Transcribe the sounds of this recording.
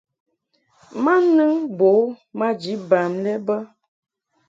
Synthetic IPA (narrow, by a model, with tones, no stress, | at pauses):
ma˦nɨ˦ŋbo˨˦ | ma˦d͡ʒi˨˦ba˨mlɛ˦bə˦